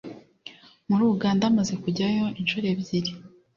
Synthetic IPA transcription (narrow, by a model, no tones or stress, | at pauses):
muɾuːuɡaːndaːmaze̞kuɟajo̞ʔinʃuɾe̞βjiɾi